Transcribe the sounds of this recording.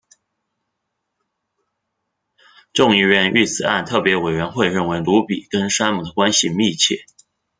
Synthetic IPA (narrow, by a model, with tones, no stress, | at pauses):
ʈ͡ʂʊ˥˧ŋi˥˧ɥɛ˥˧ny˥˩t͡sɹ̩˨˩a̰˥˧nt̪ʰɤ˥˩pjɛ˧˥we˨˩ɪɥɛ˧˥nxwe˥˧ɪɻə˥˩nwe˧˥ɪlu˧˥pi˨˩kə˥nʂa˥nmu˨˩d̪ə˩kwa˥nɕi˨mi˥˧t͡ɕʰjɛ̰˥˩